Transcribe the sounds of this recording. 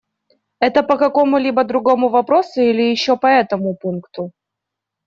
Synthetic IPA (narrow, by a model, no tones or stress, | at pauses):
ɛt̪əpəkɐko̞mʊlʲibəd̪ɾʊɡo̞mʊvɐpɾo̞sʊilʲɪjɪɕːopɐɛt̪əmʊpunkt̪ʊ